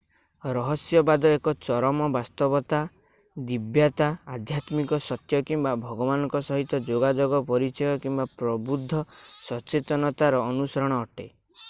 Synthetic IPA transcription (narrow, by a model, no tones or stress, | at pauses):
ɾɔɦɔsjɔbad̪ɔekɔt͡ʃɔɾɔmɔbast̪ɔbɔt̪a | d̪ibjat̪aad̪ʱjat̪mikɔsɔt̪jɔkimbabʱɔɡɔbanɔ̃ŋkɔsɔɦit̪ɔd͡ʒoɡad͡ʒoɡɔpɔɾit͡ʃɔjɔkimbapɾɔbud̪ʱːɔsɔt͡ʃet̪ɔnɔt̪aɾɔːnusɔɾɔɽ̃ɔːʈe